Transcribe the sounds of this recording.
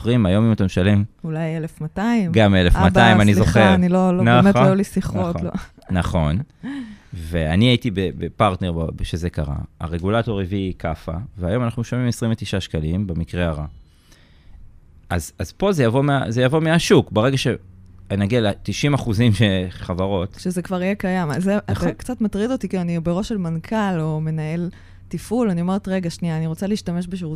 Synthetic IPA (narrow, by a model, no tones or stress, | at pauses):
ʁimajo̞mimat̪ameʃale̞mulajelefmataimɡamelefmataimanizoχeʁnilolonamejulisiχo | naχo̞n | ve̞aniaitibebepaʁt̪ne̞ʁbabʃeze̞kaʁa̰a̰ʁe̞ɡulato̞ʁevikafa̰veajo̞manaχnuʃomimesʁĩmvet̪iʃaʃkalimbemikʁeaʁa | ʔazazpo̞zejavo̞mea̰zejavo̞meaʃukbeʁe̞ɡaʃeanaɡialet̪iʃimaχuzimʃeχavaʁo̞tʃezekvaʁijekajamazekt͡satmat̪ʁidotikiluanibeʁo̞ʃelmankʰalo̞me̞nae̞l | tifulanio̞me̞ʁet̪ʁeɡaʃniaːniʁo̞t͡saliiʃtameʃbeʃ̬eʁu